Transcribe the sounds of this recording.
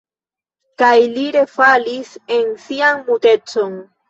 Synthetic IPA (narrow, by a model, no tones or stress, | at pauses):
kajliɾe̞falise̞nsianmute̞t͡so̞n